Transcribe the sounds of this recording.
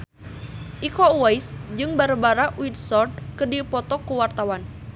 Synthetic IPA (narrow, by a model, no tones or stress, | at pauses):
ʔikɔwaisd͡ʒɨŋbaɾabaɾaʔwid̪sɔrd̪kədipɔt̪ɔkuwart̪awan